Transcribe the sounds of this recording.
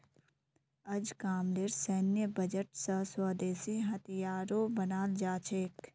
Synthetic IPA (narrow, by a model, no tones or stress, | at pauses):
ɐd͡ʒkaːmleɾsɛːnjəbəd͡ʒəʈsəswaːd̪eːsiɦɐt̪ijaːɾõbənaːld͡ʒaːt͡ʃʰeːk